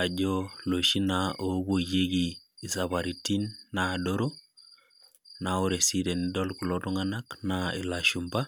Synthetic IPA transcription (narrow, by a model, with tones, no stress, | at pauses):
a˨d͡ʒo˦lo˨ʃi˦nao˨˦bo˨je˦ɡiː˨sa˨βa˨ɾi˨ti˦nːa˨do˦ɾo˦ | na˨o˦ɾe˨si˦de˨nidɔ˦lku˨lo˦tɔ˦ŋa˦na˦knaḭ˨la˨ʃu˨mba˦